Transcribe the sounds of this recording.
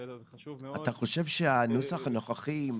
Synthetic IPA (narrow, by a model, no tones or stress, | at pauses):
ataχo̞ʃevʃeanusaχanoχaχi